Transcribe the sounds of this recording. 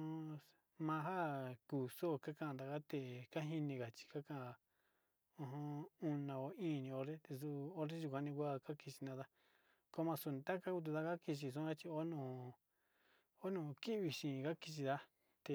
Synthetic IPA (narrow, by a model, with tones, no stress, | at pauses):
mã˧ɦa˦ku˨so˦˨ka˦kã˦˧d̪a˨ka˦t̪e˧˨ka˦ɦi˧nĩ˧ɣa˨t͡ʃi̥˧ka˦kã˦˧˨ | õ˧ɦõ˦u˧nã˧o˧ĩː˦˨˧nĩ˧o˧ɾe˦t̪e˧s̬u˧o˧ɾe˦ʒu˧kʷa˧nĩ˧kʷa˦ka˦ki˧t͡ʃi˧nã˧ða˦ | ko˦mã˧su˧nĩ˧t̪a˦ka˦ku˧˦t̪̬u˧ða˦ka˦ki˧t͡ʃ̬i˧s̬ũ˦a˦t͡ʃi˧o˦nõ˧˨ | o˦nũ˧˨ki˦βi˧ʃĩ˨ka˦ki˧t͡ʃi˧ða˦ | t̪e˧